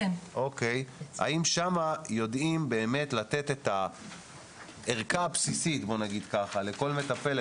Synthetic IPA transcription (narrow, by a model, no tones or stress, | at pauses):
o̞keja̰imʃamajo̞dimbe̞ːme̞t̪lat̪e̞t̪e̞t̪a | eʁkapsisitbo̞naɡid̪kaχale̞ko̞lme̞tape̞le